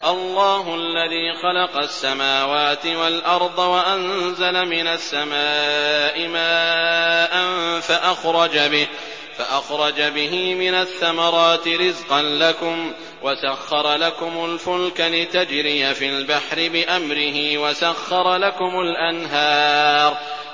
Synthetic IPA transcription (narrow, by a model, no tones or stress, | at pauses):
ʔɑlˤːɑːɦʊʔalːaðiːxɑlɑqɑsːamaːwaːt̪ɪwalʔɑɾˤd̪ˤɑwaʔanzalamɪnasːamaːʔɪmaːʔanfaʔaxɾˤɑd͡ʒabɪh | faʔaxɾˤɑd͡ʒabɪɦiːmɪnaθːamɑɾˤɑːt̪ɪɾɪzqɑnlakʊm | wasaxːɑɾˤɑlakʊmʊlfʊlkalɪt̪ad͡ʒɾɪjafɪlbaħɾɪbɪʔamɾɪɦɪwasaxːɑɾˤɑlakʊmʊlʔanɦɑːɾˤ